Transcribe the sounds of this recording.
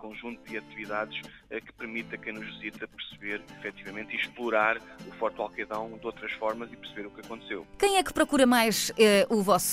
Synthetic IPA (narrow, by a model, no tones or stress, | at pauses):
kõʒũnt̪ud̪ɨɐt̪iviðaðʃ | ɛkɨ̥pɨɾmit̪ɐkɐ̃j̃nuʒvɨzit̪ɐpɨɾsɨβeɾifɛt̪ivɐmẽnt̪iʃplˠuɾaɾufɔɾt̪walˠkɐðɐ̃w̃d̪owt̪ɾɐʃfɔɾmɐzipɨɾsɨβeɾukɐkõnt̪sewkɐ̃j̃ɛkpɾɔkuɾɐmajʃɛʔuvɔs